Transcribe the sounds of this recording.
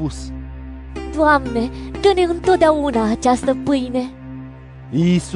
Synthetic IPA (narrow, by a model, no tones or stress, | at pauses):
us | t̪uamnet̪ɨneɨnt̪ot̪ʲjaunaːt͡ʃast̪əpɨjne | is